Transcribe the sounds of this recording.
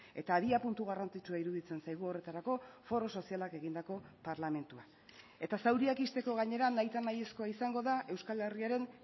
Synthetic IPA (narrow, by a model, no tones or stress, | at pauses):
e̞t̪aːðiapunt̪uɣ̞arant͡sit͡ʃuaiɾuðit͡se̞nsajɣ̞uo̞re̞t̪aɾako̞fo̞ɾo̞so̞sialake̞ɣind̪ako̞paɾlame̞nt̪ua | e̞t̪asawɾiakist̪e̞ko̞ɣaɲe̞ɾanːajt̪anaje̞sko̞aisaŋɡo̞ðaʔe̞wskale̞riaɾe̞n